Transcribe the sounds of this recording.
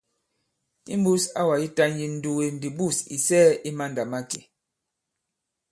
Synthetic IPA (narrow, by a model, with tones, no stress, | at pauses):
ḭ˦m˦bu˦sa̰˦wa˨ji˦ta˦n˦ji˨n̩˦du˨we˨n̩˨di˨bu˦˨sḭ˨sɛː˦i˦ma˦nda˨ma˦kḛ˨